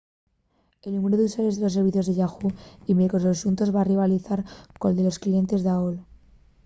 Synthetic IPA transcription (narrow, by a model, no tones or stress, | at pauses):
e̞lnũme̞ɾoðeusaleðelos̬ːe̞ɾβ̞iθjoðeʝaxuimekososunt̪o̞zβariβ̞aliθaɾkold̪e̞lo̞sklie̞nt̪e̞zðaol